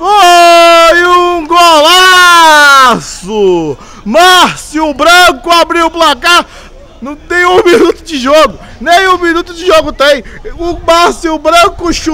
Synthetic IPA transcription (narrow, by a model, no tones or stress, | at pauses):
o | ɪũũɡola | sʊ | maɾsiʊbɾɐ̃kʊabɾiwʊplaka | nɐ̃t̪ẽj̃ũminut̪ʊd͡ʒɪʒoɡʊ | nẽj̃ũminut̪ʊd͡ʒɪʒoɡʊt̪ẽj̃ʊmaɾsiwbɾɐ̃kʊʃ